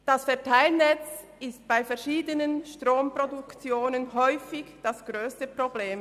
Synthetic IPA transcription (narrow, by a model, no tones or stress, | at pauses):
d̥asfɛɐtʰaɪlnɛt͡s | ɪst̚b̥aɪfɛɐʃiːdənənʃtʁoːmprodʊkt͡sjoːnənɦɔʏfɪçd̥asɡ̥ʁøːstəpʁobleːm